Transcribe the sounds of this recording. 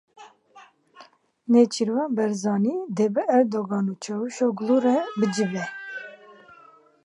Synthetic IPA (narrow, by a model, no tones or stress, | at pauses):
neːt͡ʃʰiɾwɑːbɛɾzɑːniːd̪ebɨʔɛɾd̪oɡɑːnut͡ʃʰɛwuʃoːɡluːɾɛbɨd͡ʒɨbɛ